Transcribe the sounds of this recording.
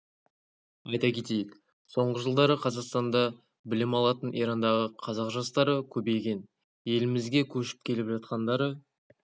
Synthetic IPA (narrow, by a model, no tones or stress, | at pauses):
ɑjt̪ɑkʲʰe̞t̪e̞jɪk | so̞ɴʁəʒəlˠd̪ɑɾəqʰɑzɑqst̪ɑnd̪ɑ | bɪlɪmɑlˠɑt̪ənʔiɾɑnd̪ɑʁəqʰɑzɑqʒɑst̪ɑɾəkʲʰɵbe̞jɡʲe̞n | je̞lɪmɪzɡʲe̞kʲʰɵʃɪ̥p̚kʲʰe̞lɪpʒɑt̪̚qɑnd̪ɑɾə